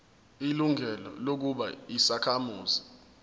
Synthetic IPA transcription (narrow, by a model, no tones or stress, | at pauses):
iluŋʱɛlɔ̰lok̬uɓa̰isakʰamuːzi